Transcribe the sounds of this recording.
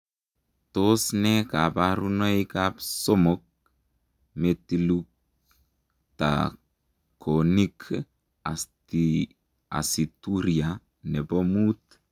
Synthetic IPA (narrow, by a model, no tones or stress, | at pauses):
t̪osnɛkapaɾunoikapsomok̚ | metiluk̚ | ta̰ | kʰonikʰ | a̰sti | a̰situɾia | nebomut̪